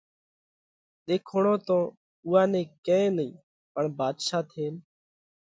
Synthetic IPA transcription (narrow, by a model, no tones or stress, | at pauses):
ɗ̪eːkʰoːɳõːt̪õː | uːãːnẽːkẽːẽːnəḭ̃ː | pəɳbaːd̪ʃaːt̪ʰeːn